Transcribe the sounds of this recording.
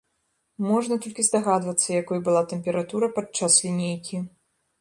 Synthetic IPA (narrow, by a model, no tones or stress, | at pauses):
mɔʐnɐt̪ɔlʲkʲizd̪aɣad̪vɐt̪sːɐjakɔjbɨlˠat̪ɛmʲpʲɛɾat̪uɾɐpat̪t͡ʂːaslʲinʲejkʲi